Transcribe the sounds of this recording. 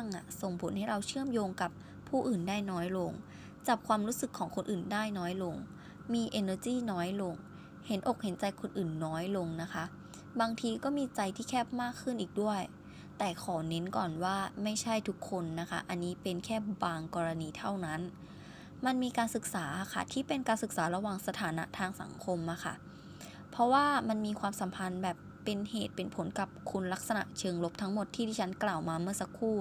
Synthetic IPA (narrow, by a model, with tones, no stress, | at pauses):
a˥˩ŋʔa̰˨˩so˨˩ŋpʰo˨˩˦nha˥˩jɾa˧wt͡ɕʰɯ˥˩əmjoː˧ŋka˨˩p̚ʰː | uː˥˩ʔɯː˨˩ndaː˥˩jnɔː˦˥jlo˧ŋ | t͡ɕa˨˩p̚kʰwaː˧mɾuː˦˥sɯ˨˩kʰːɔː˩˦ŋkʰo˧nʔɯː˨˩ndaː˥˩jnɔː˦˥jlo˧ŋ | miː˧ʔeː˧naː˧kiː˥˩nɔː˦˥jlo˧ŋ | he˩˦nʔo˨˩k̚he˩˦nt͡ɕa˧jkʰo˧nʔɯː˨˩nːɔː˦˥jlo˧ŋna˦˥kʰa˦˥ʔ | baː˧ŋt̪ʰiː˧kɔː˥˩miː˧t͡ɕa˧jt̪ʰiː˥˩kʰɛː˥˩p̚maː˥˩kʰːɯ˥˩nʔiː˨˩k̚du˥˩əj | t̪ɛː˨˩kʰɔː˩˦ne˦˥nkɔː˨˩nwaː˥˩ma˥˩jt͡ɕʰa˥˩jt̪ʰu˦˥kʰːo˧nːa˦˥kʰa˦˥ʔa˧nːiː˦˥pe˧nkʰɛː˥˩baː˧ŋkɔː˧ɾa˧niː˧t̪ʰa˥˩wna˦˥n | ma˧nmiː˧kaː˧nsɯ˨˩k̚saː˩˦kʰa̰˧˥˩t̪ʰiː˥˩pe˧nkaː˧nsɯ˨˩k̚saː˩˦ɾa˧waː˨˩ŋsa˧t̪ʰaː˩˦na˦˥t̪ʰaː˧ŋsa̰˩˦ŋkʰo˧mʔa˧˩kʰa̰˥˩ | pʰɔ˦˥waː˥˩ma˧nmiː˧kʰwaː˧msa˩˦mpʰa˧nbɛː˨˩pːe˧nheː˨˩t̪̚pe˧npʰo˩˦nka˨˩p̚kʰu˧nla˦˥k̚sa˧na̰˨˩ʔt͡ɕʰɤː˧ŋlo˦˥p̚t̪ʰa˦˥ŋmo˨˩t̪ʰːiː˥˩diː˥˩t͡ɕʰa˦˥nklaː˨˩wmaː˧mɯ˥˩ɐsa˦˥kʰːuː˥˩